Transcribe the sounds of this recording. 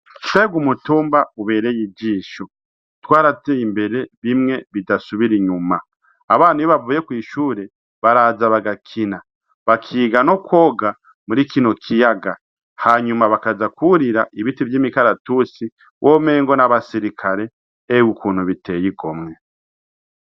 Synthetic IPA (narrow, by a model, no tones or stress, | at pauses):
ʃeɡumutuːmbauβe̞ːɾejid͡ʒiːʃo | twaːɾateimbe̞ɾe̞βimŋe̞βidasuβiɾiɲumaː | βaːnhuiβavuːje̞kwiːʃuːɾe̞ | βaɾaːzaβaɡakʰina | βakʰiːɡano̞kwo̞ɡa | muɾikino̞kʰijaɡa | haɲumaβakazakuɾiɾaʔiβitivjiːmikaɾatusi | wʔome̞ːŋɡo̞naβasiɾikʰaɾe̞ː | wukʰuːn̥huβite̞ːjiɡo̞mŋe̞